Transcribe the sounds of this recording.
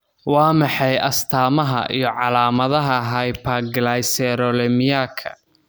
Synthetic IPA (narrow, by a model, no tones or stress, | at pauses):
wɑːmɑħɑjɐst̪ʰaːmɐɦɐ̰ʔḭjɔʕɑlaːmɐðɐɦɐɦɐjpʰɐɡlajsɛɾɔlɛmɪjaːkʰɐ̰